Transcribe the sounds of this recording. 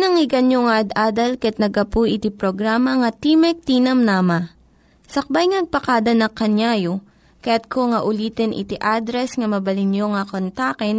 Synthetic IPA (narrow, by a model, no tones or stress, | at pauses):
nɐŋɪɡɐnjoŋɐʔɐd̪ʔaːd̪ɐlkɐʔɛt̪̚nɐɡɐpujʔɪt̪ipɾoɡɾaːmɐŋɐt̪imɛk̚t̪iːnɐmnaːmɐ | sɐk̚bajŋnɐɡ̚pɐkaːd̪ɐnɐkɐnjaːjo | kɐjat̪̚kʰoŋɐʔʊliːt̪ɛnʔɪ̰t̪iʔaːd̪ɾɛsŋɐmɐbɐlɪnjoŋɐkont̪akɛn